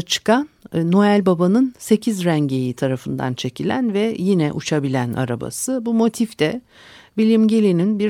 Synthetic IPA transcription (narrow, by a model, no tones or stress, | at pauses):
t͡ʃʰɯ̥kanːo̞ælʲbabanɯnse̞cʰizɾæɲɟe̞jit̪ʰaɾafɯnd̪a̰nt͡ʃʰe̞cʰilʲæ̰nvɛjinɛʔut͡ʃʰabilʲænʔa̰ɾa̰ba̰sɯbumo̞t̪ʰift̪ɛ | vilʲimɟelʲininbiɾ